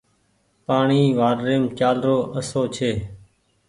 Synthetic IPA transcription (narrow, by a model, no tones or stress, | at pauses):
paːɳiːʋaːɾːeːmt͡ʃaːlɾoːʔəsoːt͡ʃʰeː